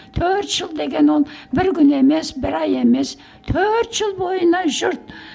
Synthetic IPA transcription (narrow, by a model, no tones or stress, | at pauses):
t̪ʰøɾt̪ʒ̥əlˠd̪e̞ɡʲe̞nolˠbɪɾɡʲʏne̞me̞sbɪɾɑje̞me̞s | t̪ʰøɾt̪ʒ̥əlˠbo̞jənɑʒʊɾt̪̚